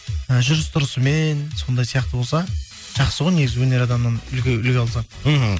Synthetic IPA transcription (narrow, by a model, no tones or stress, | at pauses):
əʒʏɾɪst̪ʰʊɾəsəme̞nso̞nd̪ɑjsijɑq̚t̪əbo̞lˠsɑ | ʒ̥ɑqsəʁojne̞ɡʲɪzɪwɵne̞ɾɑd̪ɑmnɑnʏlkʲeʏlɡʲeɑlˠsɑɦ̩